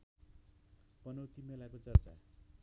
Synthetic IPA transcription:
pʌnʌwt̪imelakot͡sʌrt͡sa̰

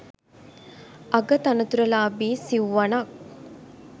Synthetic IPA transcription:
ʔɐɡɐt̪ɐnɐt̪uɾɐlaːbiːsiwʋɐnɐk̚

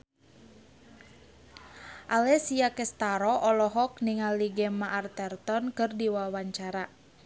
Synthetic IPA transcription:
ʔalɛsiakɛst̪aɾɔʔɔlɔɦɔk̚niŋaliɡɛmaʔːrt̪ɛrt̪ɔnkɨrdiwawaɲt͡ʃaɾa

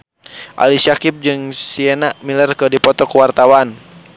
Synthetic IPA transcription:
ʔa̰lisakip̚d͡ʒɨŋsiɛnaʔmilɛrkədipɔt̪ɔkuwart̪awan

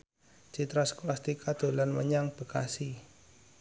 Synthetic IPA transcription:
t͡ʃit̪ɾasklast̪ikad̪̥o̤lanmə̰ɲaŋb̥ə̤ka̰si

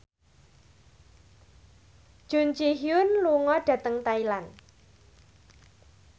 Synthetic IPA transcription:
ʒ̥und͡ʒiɦiʊnluŋɔɖ̥ä̤t̪əŋt̪ailan

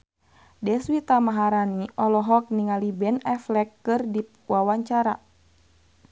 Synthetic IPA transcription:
dɛswit̪amaɦaɾaniʔɔlɔɦɔk̚niŋalibɛnɛflɛkːɨrdi | wawaɲt͡ʃaɾa̰

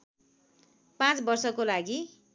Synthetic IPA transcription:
pãt͡sbʌrsʌkolaɡi

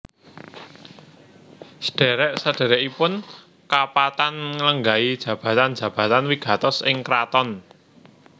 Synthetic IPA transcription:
sə̥ɖ̥e̤ɾɛʔsaɖ̥e̤ɾɛʔipʊn | kapat̪anŋələŋɡaid̥ʒ̥ä̤b̥ä̤t̪and̥ʒ̥ä̤b̥ä̤t̪anwiɡ̥a̤t̪ɔsɪ̰ŋkɾat̪ɔn

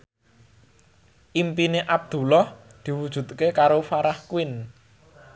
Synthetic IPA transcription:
ʔimpineʔab̚d̪̥ṳlɔhd̪̥i̤wud̥ʒ̥ṳt̪̚kekaɾofaɾahkuwɪn

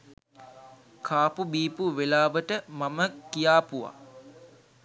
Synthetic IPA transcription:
kʰaːpubiːpuʋelaːʋəʈəmaməkijaːpuʋa̰

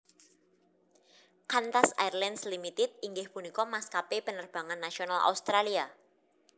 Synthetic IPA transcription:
kant̪asajrlanslimit̪ɪt̪̚iŋɡɪhpunikɔmaskapepənərb̥a̤ŋanːasionala̰wst̪ɾalia

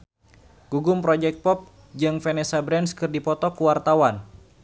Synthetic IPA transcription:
ɡ̥uɡʊmpɾɔd͡ʒɛk̚t̪̚pɔp̚ | d͡ʒɨŋfɛnɛsabɾɛnskɨrdipɔt̪ɔkuwart̪awan

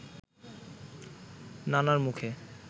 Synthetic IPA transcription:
nanaɾmukʰe

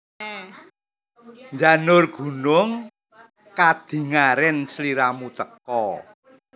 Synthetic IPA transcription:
ɲd͡ʒanʊrɡ̥ṳnʊŋ | kad̪̥i̤ŋaɾɪnsliɾamut̪əkɔ

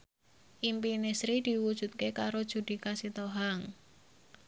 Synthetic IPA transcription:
ʔimpinesɾid̪̥i̤wud̥ʒ̥ṳt̪̚kekaɾod̥ʒ̥ṳd̪̥i̤kasit̪oɦaŋ

